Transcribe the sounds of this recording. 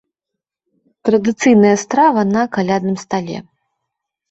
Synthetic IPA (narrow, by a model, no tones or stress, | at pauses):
t̪ɾɐd̪ɨt̪sɨjnɐjɐst̪ɾavɐnɐkalʲad̪nɨmst̪alʲɛ̰